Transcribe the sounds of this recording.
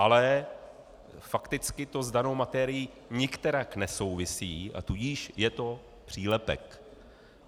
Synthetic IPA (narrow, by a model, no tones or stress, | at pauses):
ʔalɛ | fakt̪ɪt͡skɪt̪o̞zdano̞wmat̪ɛːɾɪjiː | ɲɪkt̪ɛɾaknɛso̞wvɪsiːa̰t̪uɟiːʃjɛt̪o̞ | pr̝̥iːlɛpɛ̰k